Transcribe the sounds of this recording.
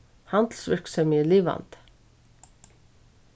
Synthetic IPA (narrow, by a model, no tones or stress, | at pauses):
hɑnd̪l̩sʋʏɹksœmiəliːʋɑ̰nt̪